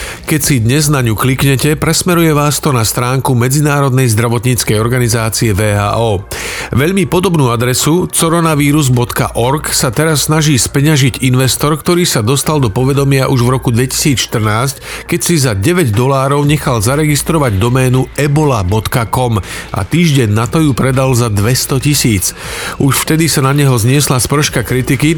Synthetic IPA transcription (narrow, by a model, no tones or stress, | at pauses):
kɛcsid̪ɲɛznaɲuklikɲɛcɛpɾɛsmɛɾujɛʋaːst̪ɔnast̪ɾaːŋkumɛd͡zinaːɾɔd̪nɛjzd̪ɾaʋɔt̪ɲiːt͡skɛjɔɾɡanizaːt͡siɛʋɛːɦa̰ːʔɔːʋɛʎmipɔd̪ɔbnuːad̪ɾɛsut͡sɔɾɔnaʋiːɾuzbɔt̪ka̰ʔɔɾksat̪ɛɾasːnaʒiːspɛɲaʒiɟinʋɛst̪ɔɾkt̪ɔɾiːsad̪ɔst̪ald̪ɔpɔʋɛd̪ɔmɪaʔuʒʋɾɔkud̪ʋɛci̥siːt͡sʃt̪r̩naːsckɛcsizaɟɛʋɛɟd̪ɔlaːɾɔʊɲɛxalzaɾɛɡist̪ɾɔʋaɟd̪ɔmɛːnuɛbɔlabɔt̪kakɔmʔa̰t̪iːʒɟɛɲːat̪ɔjupɾɛd̪alzad̪ʋɛst̪ɔcisiːt͡suʃft̪ɛd̪isanaɲɛɦɔzɲɪɛslaspr̩ʃkakɾit̪iki